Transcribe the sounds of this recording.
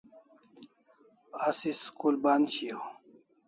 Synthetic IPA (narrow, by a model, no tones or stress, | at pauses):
asiskuːlbant͡ɕio